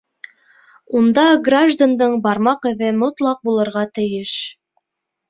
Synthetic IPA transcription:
und̪ɑɡraʒd̪and̪ɤɴbɑɾmɑqɘ̆ðɘmŏt̪lˠɑq̚bulˠɤ̆ɾʁɑt̪ɘ̆jɘʃ

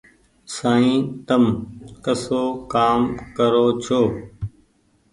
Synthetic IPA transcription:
saːĩːt̪əmkəsoːkaːmkəɾoːt͡ʃʰoː

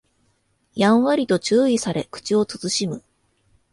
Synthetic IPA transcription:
jãɰ̃βaɾʲit̪o̞t͡ɕɨːisaɾe̞kɯ̟̥t͡ɕio̞t͡sɨt͡sɨɕimɯ̟

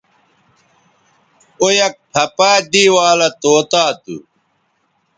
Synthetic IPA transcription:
ojɐk̚pʰɐpaːd̪iːwaːlɐt̪oːt̪aːt̪ṵ

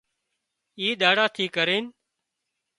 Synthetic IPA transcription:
iːɗ̪aːɽaːt̪ʰiːkəɾeːn

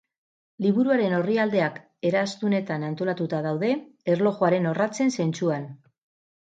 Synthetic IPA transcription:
liβ̞uɾuaɾe̞no̞riald̪e̞ak | e̞ɾast̪une̞t̪anant̪o̞lat̪ut̪að̞awðe̞ːɾlo̞ɣo̞aɾe̞no̞rat͡se̞nse̞nt͡suan

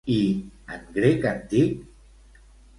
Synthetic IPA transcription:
ianɡɾekant̪ik̚

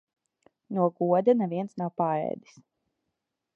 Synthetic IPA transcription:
nuɔɡuɔd̪anɛviɛnsnawpaːɾɛ̰jd̪i̥s

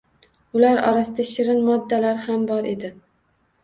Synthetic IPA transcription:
ʊlaɾɒ̰ɾasɪd̪aʃɪɾɪnmɒd̪ːalaɾhambɒɾʔe̞d̪ɪ

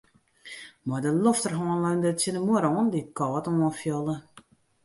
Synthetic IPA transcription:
mɔdəloftərɦɔːnlœndətsjənəmuəɾɔːndikɔːtɔnfjɔlˠə

